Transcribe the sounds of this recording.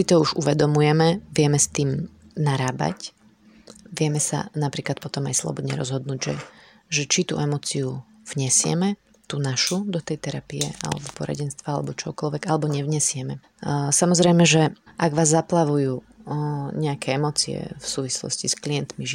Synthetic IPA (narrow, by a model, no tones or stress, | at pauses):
sit̪ɔuʒuʋɛd̪ɔmujɛmɛʋɪɛmɛst̪iːm | naɾaːba̰c | ʋɪɛmɛsa̰napɾiːklat̪̚pɔt̪ɔmajslˠɔ̰bɔd̪ɲɛ̰ɾɔzɦɔd̪̚nuːɟʒɛ̰ | ʒɛt͡ʃit̪ṵɛmɔːt͡siu | vɲɛsɪɛ̰mɛ | t̪unaʃud̪ɔt̪ɛjt̪ɛɾapiɛa̰lɛ̰bɔpɔɾa̰ɟɛnst̪ʋaalɛ̰bɔt͡ʃɔɦɔkɔlʋɛɡalɛbɔɲɛʋɲɛsɪɛmɛ | samɔzɾɛjmɛʒɛʔaɡʋaːzːaplaʋujuː | ɲɛakʰɛːɛmɔːt͡siɛ̰fsuːʋislɔ̰sciskliɛnt̪miʒ